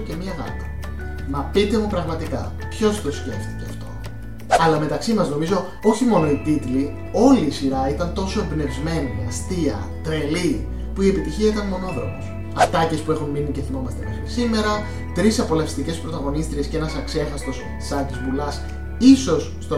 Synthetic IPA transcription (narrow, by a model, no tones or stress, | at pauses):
cemiɐɣɐ̰pɐ̥ | mɐpit̪e̞mupɾɐɣmɐt̪ikɐ̰ | pço̞st̪o̞sce̞ft̪i̥ce̞ɐ̰ft̪o̞̰ | ɐlɐme̞t̪ɐksimɐzno̞mizo̞ | o̞çimo̞noit̪it̪li | o̞liːsiɾɐit̪ɐnt̪o̞so̞embne̞vzme̞nimeɐst̪iɐ̰ | t̪ɾe̞li | puie̞pit̪içiɐit̪ɐnmo̞no̞ðɾo̞̰me̞s | ɐft̪ɐce̞spue̞xunminice̞θimomɐst̪emɐscisime̞ɾɐ | t̪ɾisɐpo̞lɐfi̥st̪ice̞spɾo̞t̪ɐɣo̞nist̪ɾie̞sceenɐsɐkse̞xɐst̪o̞s | sɐt̪izvulɐs | iso̞sːt̪o